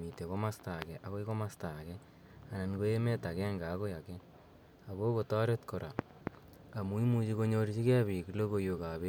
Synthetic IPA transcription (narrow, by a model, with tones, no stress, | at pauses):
i˨te˨ko˦ma˦sta˨kɛ˨ʔa˨ko˦jko˦ma˦sta˨kɛ | a˨na˨nko˦e˦me˦ta˨kɛ˦ŋɡa˨ko˦ja˨kɛ˦ | a˨βo˦ko˨tɔ˦ɾe˦tko˨ɾʔa˨ | a˨mu˦i˦mu˦t͡ʃi˦ko˦ɲo˦ɾt͡ʃi˦kɛ˦βi˨klo˦ko˦jo˨ka˨βe˦